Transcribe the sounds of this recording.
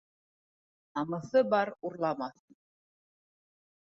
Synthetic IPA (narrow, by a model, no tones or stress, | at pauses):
nɑmɤ̆θɤbɑɾuɾlˠɑmɑθ